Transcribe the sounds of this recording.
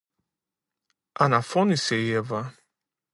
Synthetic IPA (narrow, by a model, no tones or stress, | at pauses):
anafɔnisejɛva